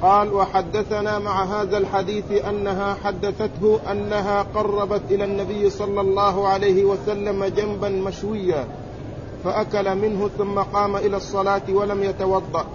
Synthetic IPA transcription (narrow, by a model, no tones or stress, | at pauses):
qɑːlwɑħad̪ːaθanaːmaʕaɦaːðalħad̪iːθʔanːaɦaːħad̪ːaθat̪ɦʊʔanːaɦaːqɑrˤːɑbat̪ʔɪlaːnːabɪjːsˤɑlːɑlˤːɑːɦʕalajhɪwasalːamad͡ʒambanmaʃwɪjːaː | faʔakalamɪnɦʊθʊmːaqɑːmaʔɪlaːsˤːɑlaːt̪walamjat̪ɑwɑd̪ˤːɑʔ